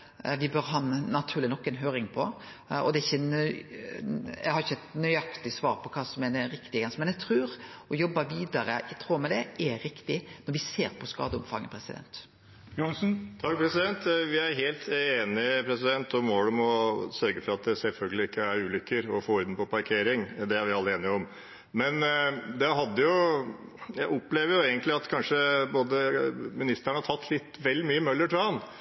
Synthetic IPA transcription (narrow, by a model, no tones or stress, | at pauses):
ʋɪbøɾɦɑnnɑt̪ʰʉːɾlɪnɔkːɛnɦøːɾɪŋpʰɔ | ɔ̰d̪ɛɪçːənœʏ | ɛ̰ɡhɑɾɪçːəɛt̪nœʏɑkt̪ɪsʋɑːɾpʰɔkʰɑːsɔmɛd̪ɛɾɪkt̪ɪɡɡɑnsmɛnɛɡt̪ʰɾʉːɾɔjɔbːɑʋiːd̪ɑɾə̰ɛt̪ʰɾuːmɛd̪ɛʔɛɾɪkt̪ɪnɔɾʋɪseːɾpʰɔskɑ̰ːd̪əʊmfɑ̰ŋːəpʰɾɛsɪd̪ɛ̰nt̪ | jʊnsn̩t̪ʰɑkːpʰɾɛsɪd̪ɛnt̪ʋɪæɾɦeːlt̪eːnɪpʰɾɛsɪd̪ɛnt̪ɔmʋoːɽəmɔsœɾɡəfɔɾɑt̪̚d̪ɛsɛlfœlɡəlɪɪkːəæɾʉːlʏkːəɾɔfoːʊɾd̪nəpɔpɑɾkʰeːɾɪŋd̪ɛæɾʋɪɑlːəeːnɪɔm | mɛnd̪ɛɦɑd̪ːəjʊ | jæɪʔɔpːleːʋəɾjʊeːɡənlɪɑt̪kʰɑnʂəboːd̪əmɪnɪst̪əɳəhɑt̪ʰɑt̪ʰːlɪt̪ʋɛld̪ɪmyːəmœlːəʈʰɾuhɑn